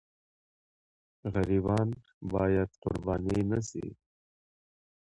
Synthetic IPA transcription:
ɣɐɾiːbɑːn | baːjɐd̪̚qʊ̰ɾbaːninɐsḭ

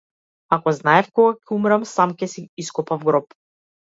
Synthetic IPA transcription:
akɔznaɛfkɔɡakʲɛumɾamsamkɛsiiskɔpavɡɾɔp

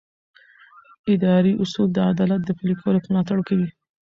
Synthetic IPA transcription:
ɪd̪ɑɾiʔʊsuld̪əad̪ɑlat̪̚d̪əfilikʰoɾepəmlɑt̪aɽkawi

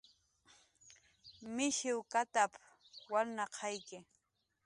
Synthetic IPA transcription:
mɪʃɪwkat̪ap | waɾnɑqʰɑjkɪ

